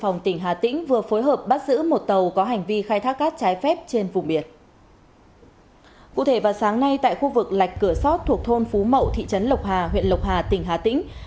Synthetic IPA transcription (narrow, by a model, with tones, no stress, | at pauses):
fa˨˩wŋ͡mt̪ï˧˩ŋ̟ɦaː˨˩t̪ḭ̈˧˥ŋ̟vɨ˨˩əfo˨˦jɦəː˨˩p̚ɓaː˦˥t̚zɨ̰˧˥mo˨˩t̚t̪ə˨˩wkɔ˨˦ɦa˨˩jŋ̟vi˧xaː˧jt̪ʰaː˦˥k̚kaː˦˥k̚t͡ɕaː˨˦jfɛ˦˥p̚t͡ɕe˧nvʊ˨˩ŋ͡mɓi˧˩ən | kṵ˧˨t̪ʰe˧˩vaː˨˩wsaː˨˦ŋna˧jt̪a̰ː˧˨jxu˧vɨ˨˩k̚la˨˩jk̟̚kɨ˧˩əsɔ˦˥t̚t̪ʰu˨˩ək̚t̪ʰo˧nfu˨˦mə̰˧˨wt̪ʰḭ˧˨t͡ɕə˨˦nlə˨˩wk͡p̚haː˨˩ɦwḭ˧˨ənlə˨˩wk͡p̚hɦaː˨˩t̪ï˧˩ŋ̟ɦaː˨˩t̪ḭ̈˧˥ŋ̟